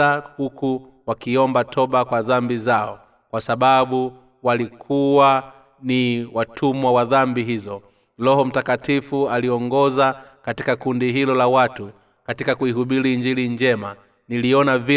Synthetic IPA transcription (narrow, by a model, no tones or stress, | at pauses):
ahuku | wakiɔmbatʰɔɓakwaðambizaɔ | kwasaɓaɓu | walikʰuwa | niwatʰumwawaðambiɦizɔ | lɔɦɔm̩takatifualiɔŋɡɔzakatikakundiɦilɔlawatu | katikakuiɦuɓiɾiɲd͡ʒiliɲd͡ʒɛma | niliɔnavi